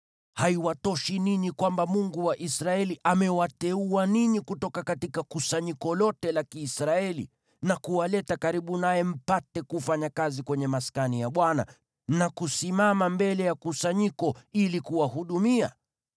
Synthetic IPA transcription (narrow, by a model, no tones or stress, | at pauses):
haiwatɔʃininikwambamuŋɡuwaʔisɾaɛliʔamɛwatɛuaniɲikutɔkakatikakusaɲikɔlɔtɛlakiːsɾaɛlḭ | nakuwalɛtakaɾiɓunajɛm̩patɛkufaɲakazikwɛɲɛmaskanijaɓwana̰ | nakusimamambɛlɛjakusaɲikɔilikuwaɦuɗumia̰